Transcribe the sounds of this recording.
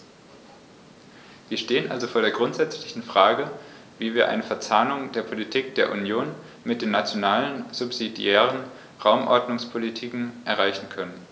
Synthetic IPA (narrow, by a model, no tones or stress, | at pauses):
viːɐʃteːənʔa̰lzofoːɐɾeːɐɡʁʊntz̥ɛt͡slɪçn̩fʁ̥aːɡə | viːviːɐʔa̰ɪnəfɛɐt͡saːnʊŋdeːɐpʰolitʰiːk̚d̥eːɐʔunjoːn | mɪt̚d̥eːnat͡sjonaːlənz̥ʊpz̥idjɛːʁ̞ən | ʁaʊmʔɔ̰ɐdnʊŋspʰolitʰiːkŋ̩ʔɛɐʁaɪçn̩kʰœnən